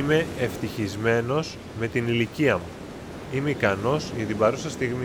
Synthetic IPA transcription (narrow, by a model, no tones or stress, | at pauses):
me̞eft̪içizme̞no̞z | me̞t̪iniliciɐmu | ime̞ikɐno̞sʝɐt̪ibɐɾusɐst̪iɣmi